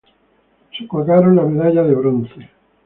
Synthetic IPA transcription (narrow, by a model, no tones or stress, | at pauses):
sekaɣaɾonlameðaʎaðeβɾonθe